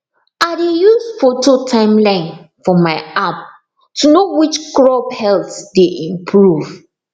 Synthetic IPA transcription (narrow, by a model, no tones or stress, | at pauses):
aɪdejusfototʰãɪ̃mlãɪ̃n | fɔmaɪap̚ | tʰunowit͡ʃkɹɔbhɛltdeʔĩmpʰɹuv